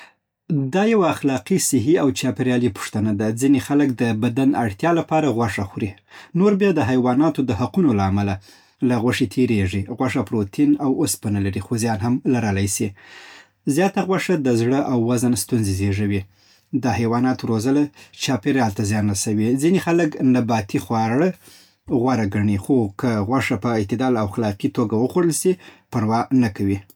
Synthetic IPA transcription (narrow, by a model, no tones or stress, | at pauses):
d̪ɑjawaːxlɑqisɪɦiawt͡ʃɑpeɾjɑlipʊ̥ʂt̪anad̪ad͡zinexalək̚d̪əbad̪anaɽt̪jɑlapɑɾaɣwaʂaxuɾi | noɾbjɑd̪əɦajwɑnɑt̪od̪əhaqunolaːmala | laɣwaʂit̪ʰeɾeʐiɣwaʂapɾot̪ʰinawospənalaɾixozjɑnɦamlaɾalajsi | zjɑt̪aɣwaʂad̪əzɽəʔawːazənst̪unzezeʐawi | d̪ɑhajwɑnɑt̪oɾozəlat͡ʃɑpeɾjɑlt̪azjɑnasawizinexaləknabɑt̪ixwɑɽə | ɣwaɾaɡaɳixokəɣwaʂapəɪt̪ɪd̪ɑlawxalɑqit̪oɡawəxoɽəlsipəɾwɑnakawi